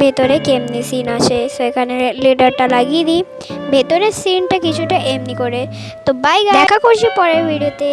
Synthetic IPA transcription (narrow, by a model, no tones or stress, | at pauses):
bʱet̪oɾekemnisinat͡ʃʰesoekʰaneliɖəɾʈalaɡid̪i | bʱet̪oɾesinʈakit͡ɕʰuʈaʔemnikoɾe | t̪obajɡad̪ɛkʰakoɾt͡ʃʰipɔɾebʱiɽiot̪e